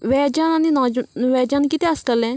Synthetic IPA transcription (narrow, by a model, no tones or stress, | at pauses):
ʋɛːd͡ʒaːnãːniːnɔːnʋɛːd͡ʒaːnkit̪eːəskəlɛ̃ː